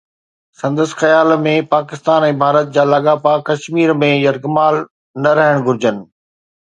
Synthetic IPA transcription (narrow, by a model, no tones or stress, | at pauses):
sɐ̃nd̪əsxɐjaːlmẽpaːkɪst̪aːnɛ̃ːbʱaːɾət̪̚d͡ʑaːlɐɠaːpakɐʃmiːɾmẽjɐɾɡmaːl | nɐɾɐɦɪɽ̃ɡʱʊɾd͡ʑənɪ̆